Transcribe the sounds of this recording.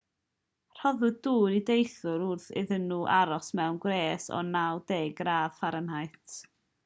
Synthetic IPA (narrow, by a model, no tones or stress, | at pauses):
r̥ɔðɨduːdidejθʊɾʊrθɪ̰ðənuːʔaɾɔsmɛwnɡwreːsɔ̰nawdeːɡraːð̥faɾənhajtʰ